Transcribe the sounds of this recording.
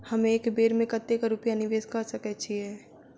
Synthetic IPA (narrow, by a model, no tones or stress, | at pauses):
həmeːkbeːɾmẽkət̪ːekaɾʊpjanɪʋeːskɐɾsəkɛt͡ʃʰiɦɛː